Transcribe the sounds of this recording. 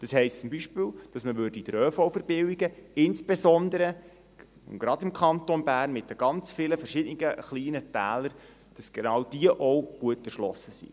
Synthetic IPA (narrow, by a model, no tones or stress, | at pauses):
d̥ɑshɛɪstt͡sʊmbiʃpɪːld̥ɑsməʋʏrdiidɾøːfɔwfəɾbɪwiɡəɪnsb̥esɔnd̪əɾə | ʊ̰ɡɾɑdɪmkʰɑntonbæːrnmɪtəɡ̥ɑnt͡sfɪləfɛɾʃɪd̥ənɪɡəχliːnətæːləɾ | d̥ɑsɡ̥enɑːwd̥iəʔɔwɡ̥uətɛʃlɔsəsḭ